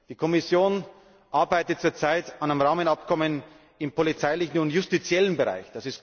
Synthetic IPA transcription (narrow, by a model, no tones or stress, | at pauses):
d̥iːkʰɔmɪsjoːn | ʔaɐbaɪtət͡suːɐt͡saɪtanamʁaːmənapkʰɔmən | ɪmpʰolit͡saɪlɪçn̩ʊnjʊstit͡sjɛlənbəʁa̰ɪçd̥asɪst